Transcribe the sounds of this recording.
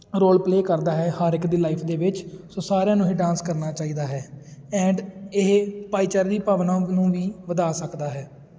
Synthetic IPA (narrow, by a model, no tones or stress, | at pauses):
ɾoːlpleːkəɾd̪aːɦɛːhaːɾɪkd̪iːlaːiːpʰd̪eːʋɪt͡ʃsoːsaːɾjãːnũːɦiːɖãːnskəɾnaːt͡ʃaːiːd̪aːɦɛːɛ̃ːɳɖɪɦpaːiːt͡ʃəɾd̪iːpaːʋnãːnũːʋiːʋəd̪aːsəkd̪aːɦɛː